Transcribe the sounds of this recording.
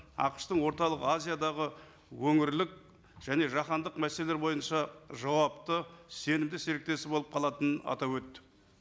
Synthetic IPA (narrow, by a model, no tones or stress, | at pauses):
ɑ̰qə̥ʃt̪əɴwo̞ɾt̪ɑlˠəqazʲijad̪ɑʁə | wɵŋɪɾlɪk̚ | ʒ̥æne̞ʒɑχɑnd̪əqmæseleleɾbo̞jənʃɑʒɑwɑpt̪əse̞nɪmd̪ɪseɾɪk̚t̪e̞sɪbo̞lˠəp̚qʰɑlˠɑt̪ənənɑ̰t̪ɑpwɵt̪ːɪ̥